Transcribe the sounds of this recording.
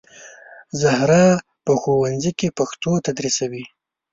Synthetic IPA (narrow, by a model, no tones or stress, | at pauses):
zahɾɑ | pəxowanzikepaxt̪ot̪ad̪ɾisawi